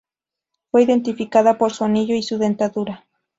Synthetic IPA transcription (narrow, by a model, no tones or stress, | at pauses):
fweiðe̞nt̪ifikaðapoɾsuaniʎoisuðe̞nt̪aðuɾa